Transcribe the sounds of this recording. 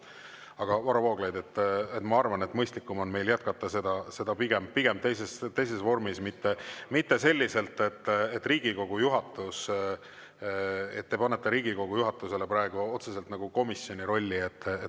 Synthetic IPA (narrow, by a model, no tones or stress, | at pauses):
ɑɡ̥ɑvɑɾɑvoːɡlejd̪e̞t̪ːˑet̪ːmɑɑrvɑnet̪ːmɤjst̪likːˑumo̞nme̞jljæt̪̚kɑt̪ːɑse̞d̪ɑse̞d̪̥ɑpiɡ̥empiɡ̥emt̪ejse̞st̪ːe̞js̬e̞svo̞rmismit̪ːemit̪ːe̞se̞lʲːise̞lt̪ːˑe̞t̪ːet̪ːˑriːɡiko̞ɡ̥ujuɦɑt̪ːˑus | e̞̰t̪̚ːepɑnːet̪ːeɾiːɡ̥iko̞ɡ̥ujuɦɑt̪ːˑuse̞lepɾɑeɡ̥uo̞t̪sese̞lt̪nɑɡ̥uko̞misjo̞nʲiɾo̞lʲːiet̪ːˑe